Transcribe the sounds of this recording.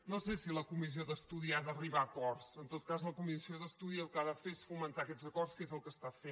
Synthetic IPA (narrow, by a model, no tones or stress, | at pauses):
nosesiləkumizioðəst̪uðiaðəriβaːkɔrsənt̪ot̪̚kazləkumizioðəst̪uðiəlˠkaðəfeesfumənt̪aəkɛd͡zəkɔrskezəlˠkəst̪afe